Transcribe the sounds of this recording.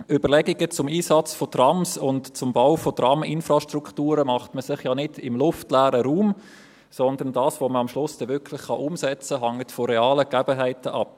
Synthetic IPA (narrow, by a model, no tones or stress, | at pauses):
ʏbəlɛɡɪɡət͡sʊmiːsɑt͡sfotrɑmsʊntt͡sʊmbawfotɾɑmɪnfɾɑʃtɾuktuːɾəmɑχtməsɪχjɑnɪdɪmlʊftlæːɾəɾuːm | sɔnd̪əndɑːsvoməɑmʃlʊsd̥ɛvʏkʰlɪχχɑʔʊmsɛt͡səɦɑŋətfɔɾeɑːləkɡ̥æb̥əɦæɪtəʔɑp̚